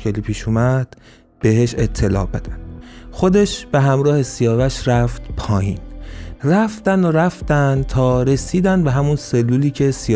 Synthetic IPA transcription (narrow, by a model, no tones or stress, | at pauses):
eliːpʰiːʃuːmæd̪̥ | b̥e̞ɦeʃet̪ʰːe̞lɒ̰ːbed̪ænxo̞d̪e̞ʃb̥e̞ɦæmɾɒːhe̞sijɒːvæʃɾæft̪pʰɒːjḭːnræft̪ænd̪oɾæft̪ænd̪t̪ʰɒːɾe̞siːd̪ænd̪̚be̞ɦæmunse̞lːuːliːcʰesi